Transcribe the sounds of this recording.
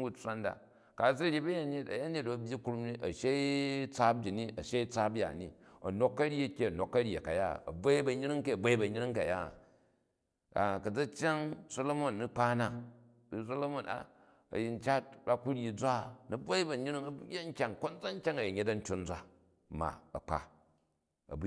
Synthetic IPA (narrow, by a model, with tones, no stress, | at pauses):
ɡu˨t͡sʷa˦nda̰˨ | ka˨zi˦ɾʲi˦bɐ˦ja˦˨ne˦tɐ̰˨ja˦ɲe˦˨t̚bɐ˨bʲji˦ku˦ɾu˦mni˦ʔɐ˨ʃe˦t͡sa˦b̚d͡ʒi˨ni˦ʔɐ˨ʃe˦i˦t͡sa˦bja̰˨ni˨ɐ̰˨no˨kːɐ˦ɾʲi˦ɐ˦˨kʲːe˦ɐ˨no˨kːɐ˦ɾʲje˨ka˨ja˦˨ɐ̰˨bʷa˦i˦bɐ˨ɲi˦ɾi˦ŋke˦ɐ˨ba˦i˦bɐ˨ɲi˦ɾi˦ŋka̰˨ja̰˦˨ | a̰˨kɐ˨d͡za˦t͡ʃʲa˦ŋso˦lo˦mo˦˨nːi˦k͡pa˦na˨ | i˨˦s̬o˦lo˦mo˨na̰˨ | ɐ̰˨ji˨n̩˦t͡ʃa˦tba˦ku˦ɾʲi˨d͡zʷa˦˨nɐ˨˦bʷa˦i˦bɐ˨ɲi˦ɾi˦ŋɐ˨bu˦ɡʲa˦ŋ̩˦kʲa˦˨ŋko˦nd͡za˦ŋ̩˦kʲa˦ŋɐ˨ji˨ɲe˦tɐ˦n̩˦tʲo˦n̩˦d͡zʷa˦ | ma̰˨ɐ̰˨k͡pa̰˨ | ɐ̰˨bu˦